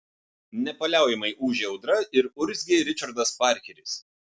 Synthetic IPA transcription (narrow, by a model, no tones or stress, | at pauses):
nʲɛpɐlʲæˑʊjɛmɐɪʔuːʒʲɛʊd̪ɾɐɪɾʊɾʲzʲɡʲeɾʲɪt͡ʃʲɐɾd̪ɐspɑːˑɾʲkʲɛɾʲɪs